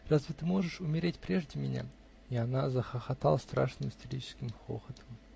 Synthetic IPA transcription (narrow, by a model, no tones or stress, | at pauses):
razvʲɪt̪ɨmo̞ʐɨʂʊmʲɪɾʲetʲpɾʲeʐdʲɪmʲɪnʲa̰ | ɪanazəxəxat̪alˠəst̪ɾa̰ʂnɨmsʲtʲɪlʲit͡ɕɪ̥skʲɪmxo̰xət̪ə̥m